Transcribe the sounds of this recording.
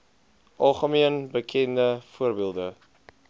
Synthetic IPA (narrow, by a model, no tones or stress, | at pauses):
ʔɑlˠχəmiənbəkʰɛndəfuərbiəlˠdə